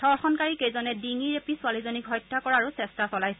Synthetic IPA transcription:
d̥ʱɔɹxɔnkaɹikejzɔnɛdiŋiɹepisualizonikɦɔjtʰːakɔɹaːɹusɛstasɔlajsɛ

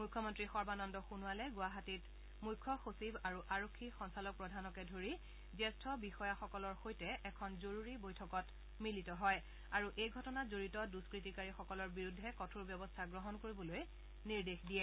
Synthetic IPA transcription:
mujkʰːɔmɔntɹixɔɹbanɔndɔxunualɛɡʊaɦatit | mujkʰːɔxosibaɹuʔaɹokʰːixɔnsalɔk̚pɹɔdʱanɔkɛdʱoɹi | zɛstʰɔbixɔjaxɔkɔlɔɹxojtɛʔɛkʰɔnzoɹuɹibojtʰɔkɔt | militɔɦɔj | aɹuʔejɡʱɔtɔnazoɹitɔduskɹitikaɹixɔkɔlɔɹbiɹudʱːɛkɔtʰuɹbjɔbɔstʰaɡɹɔɦɔnkoɹibɔloj | niɹdexdijɛ

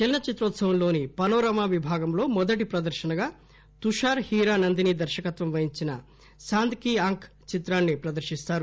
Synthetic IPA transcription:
t͡ʃɛlnɐt͡ʃit̪ɾoːt̪sɐʋɐmlo̞ːnipɐnoːɾɐmaːʋibʱaːɡɐmlo̞ːmɔd̪ɐʈipɾɐd̪ɐɾʃɐnɐɡaː | t̪uʂaːɾhiːɾaːnɐnd̪inid̪ɐɾʃɐkɐt̪ʋɐmʋɐɦiɲt͡ʃinɐ̰ | saːnd̪kiːaːŋkʰ | t͡ʃit̪ɾaːnːipɾɐd̪ɐɾʃist̪aːɾu

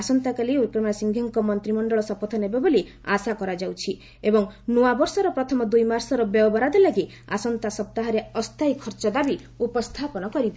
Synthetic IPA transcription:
asɔnt̪akaliuɾkɾɔmasiŋɡʱɔŋkɔmɔnt̪ɾimɔɳɖɔɭɔsɔpɔt̪ʰɔnebaboli | asakɔɾad͡ʒawt͡ʃʰi | ebɔŋnuabɔɾsɔɾɔpɾɔt̪ʰɔmɔd̪ujmaɾsɔɾɔbjɔɔbɔɾad̪ɔlaɡi | a̰sɔnt̪asɔb̚t̪aɦaɾeɔst̪ajkʰɔɾt͡ʃɔd̪abi | upɔst̪ʰapɔnɔkɔɾit̪a

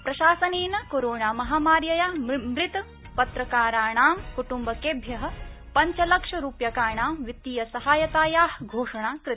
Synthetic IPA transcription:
pɾɐʃaːsɐneːnɐkoːɾoːɳaːmɐɦaːmaːɾjɐjaːmɾɪt̪ɐ | pɐt̪ɾɐkaːɾaːɳaːmkuʈumbɐkeːbʱjɐɦɐ̆ | pɐɲt͡ʃɐlɐkʂɐɾuːpjɐkaːɳaːmʋit̪ːiːjɐsɐɦaːjɐt̪aːjaːɦɡʱoːʂɐɳaːkɾɪ

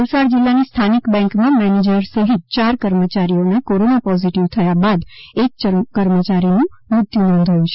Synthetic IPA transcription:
əlsaɽd͡ʒɪlːanist̪ʰanikbɛ̃ŋkmãmɛned͡ʒəɾsəɦit̪̚t͡ʃaɾkəɾmət͡ʃaɾijonakoɾonapɔziʈiʋt̪ʰəjabad̪ek̚əkəɾmət͡ʃaɾinũmɾʊt̪junɔ̃nd̪ʱəjũt͡ʃʰe̥

